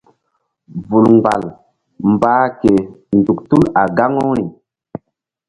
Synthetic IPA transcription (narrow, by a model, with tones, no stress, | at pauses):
vu˨lŋɡ͡ba̰˨l | mbaː˦ke˨ndu˨ktu˦la˨ɡa˦ŋo˦ɾi˨